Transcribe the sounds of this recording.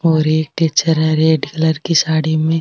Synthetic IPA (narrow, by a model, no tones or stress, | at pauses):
ɔːɾeːk̚ʈet͡ʃəɾɦɛ̃ɾeːɖkɐləɾkisaːɽimẽ